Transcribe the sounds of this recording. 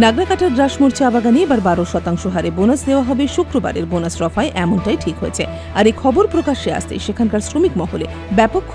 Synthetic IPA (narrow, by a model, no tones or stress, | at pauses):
naɡɾakaʈaɾɡɾaʃmoɾt͡ɕʰiabaɡaniebaɾbaɾoʃɔt̪aŋʃoɦaɾebonasd̪eoaɦɔbeʃukɾoba̰ɾeɾbonasɾɔfaeʔɛmonʈajʈʰikɦojḛt͡ɕʰe | aɾekʰɔboɾpɾokaʃea̰st̪ḛʃekʰankaɾsɾomikmɔɦole | bɛpokʰː